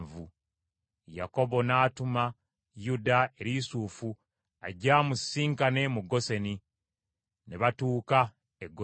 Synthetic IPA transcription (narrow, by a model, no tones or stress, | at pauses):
vu | ja̰ko̞βo̞naːtuma | judae̞ɾisuːfu | aɟamusiːŋkane̞muɡo̞se̞ni | neβatuːka | eɡːo